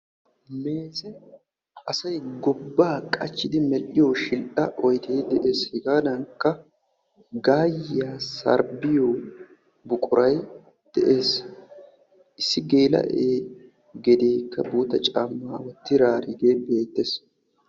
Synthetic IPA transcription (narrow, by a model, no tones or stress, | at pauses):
me̞ːsɛ | ɐsɐjɡɔbːaːkʼɐt͡ʃːɪd̪ɪmɛlʔɪjoːʃɪlʔɐʔɔjd̪e̞ːd̪ɛʔe̞ːshɪɡaːd̪ɐŋkːɐ | ɡaːjaːsɐ̰ɾbɪjoː | bʊkʼʊɾɐj | d̪̥ɛʔe̞ːs | ʔɪsːɪɡe̞ːlɐ̰ʔeː | ɡɛd̪e̞ːkːɐbuːt̪ɐt͡ʃʼaːmːaːwɔt̪ːɪɾaːɾɪɡe̞ːbe̞ːt̪ːes